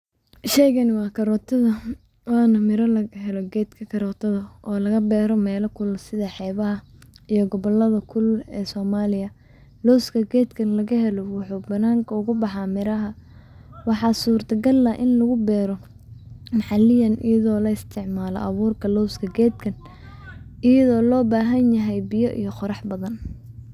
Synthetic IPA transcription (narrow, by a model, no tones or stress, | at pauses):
ʃɛjɣɐnwɑːkʰɐɾɔːt̪ʰɐðɐ | wɑːnɐmɪɾɐlɐɣɐɦɛlɔɡɛːd̪kʰɐkʰɐɾɔːt̪ʰɐðɐɔːlɐɣɐbɛːɾɔmɛːlɐkʰʊlsɪðɐħɛːβɐɦɐijɔɡɔβɔlːɐðɐkʰʊlɛːsɔːmaːlɪjɐ | lɔwskʰɐɡɛːd̪kʰɐnlɐɣɐhɛlɔwɑħuːbɐnaːŋkʰɐʊɣʊbɑħɑmɪɾɐɦɐ | wɑħɑːsuːrt̪ʰɐɡɐlːɐʔɪnlɐɣʊbɛːɾɔ | mɑħɑlɪjɐnɪ̰jɐðɔːlɐɪst̪ʰɪʕmaːlɔ̰ʔɐβuːrkʰɐlɔwskʰɐɡɛːd̪kʰɐn | ʔɪjɐðɔːlɔːbaːɦɐnjɐɦɛjbɪjɔʔḭjɞqɔɾɑħbɐðɐn